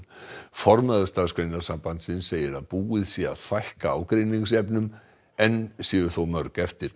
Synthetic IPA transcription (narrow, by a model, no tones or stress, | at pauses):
fɔɾmaðʏst̪aːðskʰvejnasampant̪sɪnseːjɪɾaðpuːɪðsjɛa̰ðfajhkaa̰wkɾejniŋs̬ɛpnʏm | ɛnsɛðʏɾ̥θowmœɾkɛft̪ɪɾ̥